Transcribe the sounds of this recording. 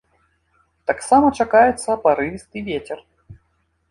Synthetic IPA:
t̪aksamɐt͡ʂakajɛt̪sːɐpaɾɨvʲist̪ɨvʲet͡sʲɛr

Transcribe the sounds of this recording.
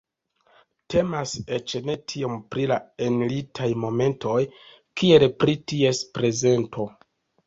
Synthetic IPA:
te̞mase̞t͡ʃene̞tʰio̞mpɾilaenlitʰajmo̞me̞ntʰo̞j | kie̞lpɾitie̞spɾe̞ze̞ntʰo̞

